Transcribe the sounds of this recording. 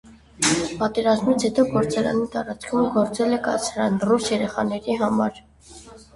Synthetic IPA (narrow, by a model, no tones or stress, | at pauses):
pɑt̪ɛɾɑzmit͡sʰɛt̪ɔɡɔɾt͡sɑɾɑ̰nit̪ɑɾɑt͡skʰumɡɔɾt͡sɛlɛkɑ̰t͡sʰɾɑnrusjɛɾɛχɑnɛɾiɦɑmɑɾ